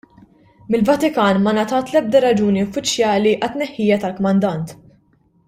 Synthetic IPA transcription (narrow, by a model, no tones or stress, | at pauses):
mɪlvɐt̪ɪkɐːnmɐnɐt̪ɐːt̪lɛb̚d̪ɐɾɐd͡ʒuːniʊfːɪt͡ʃːjɐːliʔɐt̪ːnɛħːiːjɐt̪ɐlkɔmɐnd̪ɐnt̪